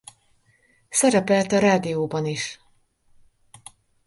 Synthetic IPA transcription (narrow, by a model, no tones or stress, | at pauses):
sɛɾɛpɛlt̪ɒɾaːd̪ijoːbɒniʃ